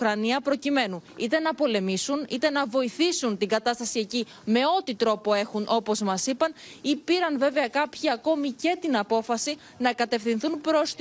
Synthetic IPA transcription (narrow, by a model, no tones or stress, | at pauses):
kɾɐniɐpɾo̞cime̞nuit̪e̞nɐpo̞le̞misunit̪e̞nɐvo̞iθisunt̪iɡɐt̪ɐst̪ɐsie̞ci | me̞o̞t̪it̪ɾo̞po̞e̞xunʔo̞po̞zmɐsipɐnipiɾɐnve̞veɐkɐpçiɐko̞mice̞t̪inɐpo̞fɐsi | nɐkɐt̪e̞fθinθunpɾo̞st̪